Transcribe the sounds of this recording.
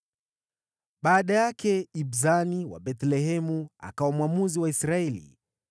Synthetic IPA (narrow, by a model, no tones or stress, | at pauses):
ɓaːɗajakɛibzaniwa̰ɓɛtlɛɦɛmua̰kaɔmwamuziwaisɾaɛlḭ